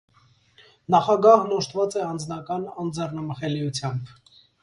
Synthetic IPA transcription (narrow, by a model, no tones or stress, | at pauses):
nɑχɑɡɑɦnɔʃt̪vɑt͡sɛɑnd͡znɑkɑnɑnd͡zɛrnəməχɛliut͡sʰjɑmb